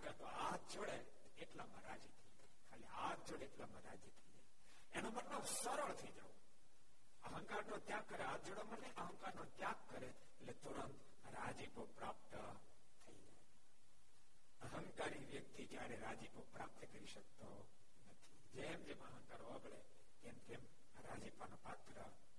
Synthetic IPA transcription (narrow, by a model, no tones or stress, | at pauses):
aɡat̪oat̪ʰd͡ʒoɽe | t̪eʈlamaɾa̰d͡ʒit̪ʰəid͡ʒaikʰaleat̪̚d͡ʒoɽeːʈlaməɾa̰d͡ʒit̪ʰəid͡ʒa | enomənːosəɾoɭt̪ʰəid͡ʒao | əɦəŋkaɾnot̪jãkːəɾeat̪̚d͡ʒoɽoməneʔəɦə̃ŋkaɾnot̪jãkːəɾe | eʈlet̪uɾənt̪ | ɾad͡ʒipopɾap̚t̪ə | t̪ʰəḭd͡ʒa̰e | əɦəŋkaɾiʋjək̚t̪id͡ʒjaɾeɾad͡ʒipopɾa̰p̚t̪əkəɾiʃək̚t̪o | nət̪ʰid͡ʒemd͡ʒeməɦə̃ŋkaɾoəɡɭe | t̪emt̪em | aɾa̰d͡ʒipanopat̪ɾə̰